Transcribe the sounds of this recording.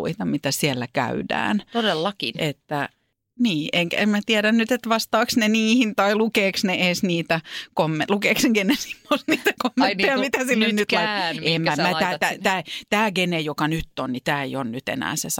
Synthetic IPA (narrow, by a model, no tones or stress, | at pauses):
ṵit̪ɑmit̪æsiɛlːækæ̰ydæ̰ːnt̪odelːɑkinet̪ːæ | niːʔeŋkæ̰emmæt̪iɛɾænnyt̪et̪ʋɑst̪ɑːksneniːhint̪ɑilukeːksneeːsniːt̪ækomːelukeːkseŋɡ̥enesi̥m̥ːosniːt̪ækomːet̪ːejɑmit̪æsilːonyt̪lɑiemmæmææːt̪æt̪æːt̪æːɡenejokɑnyt̪ːonnit̪æːḛjonnyt̪ḛnæ̰ːses